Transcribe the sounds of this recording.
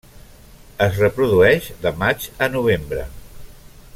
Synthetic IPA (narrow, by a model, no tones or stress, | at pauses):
əzrəpɾuðuɛʒðəmad͡ʒənuβ̞embɾə̰